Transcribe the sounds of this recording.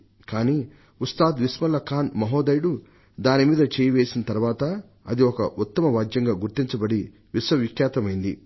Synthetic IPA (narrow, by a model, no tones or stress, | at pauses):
kaːniː | ust̪aːd̪ʋismɐlɐkaːnmɐɦoːd̪ɐjɽu | d̪aːnimiːd̪ɐt͡ʃɛːjɐʋeːsinɐt̪ɐɾʋaːt̪ɐ | ɐd̪iɔkɐ̰ʔut̪ːɐmɐʋaːd͡ʒ̪jɐŋɡaːɡuɾt̪iɲt͡ʃɐbɐɽi | ʋisʋɐʋikjaːt̪ɐmɐjind̪i